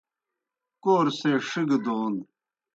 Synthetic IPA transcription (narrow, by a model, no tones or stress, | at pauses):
koːɾseʂiɡd̪oːn